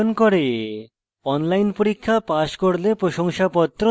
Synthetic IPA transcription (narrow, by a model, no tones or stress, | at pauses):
nkoɾe | ɔnlajnpoɾikʰːapaʃkoɾlepɾoʃoŋʃapɔt̪ːɾo